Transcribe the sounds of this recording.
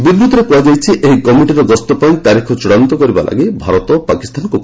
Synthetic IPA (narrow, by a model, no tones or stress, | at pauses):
bid̪ɾut̪ɔɾepuad͡ʒajt͡ʃʰiʔeɦikɔmeɳʈiɾɔɡɔst̪ɔpaĩt̪aɾikʰɔt͡ʃuɽɔnt̪ɔkɔɾiba̰lʔa̰ɡibʱaɾɔt̪ɔpakist̪ʰanɔŋkuk